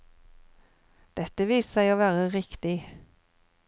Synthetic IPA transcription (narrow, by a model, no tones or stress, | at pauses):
d̪̥ɛt̪əʋiːsəsæɪoːʋæːʁəʁɪkt̪ɪ